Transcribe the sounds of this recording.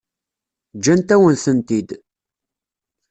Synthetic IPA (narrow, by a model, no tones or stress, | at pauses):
d͡ʒːænt̪æwənθənt̪id̪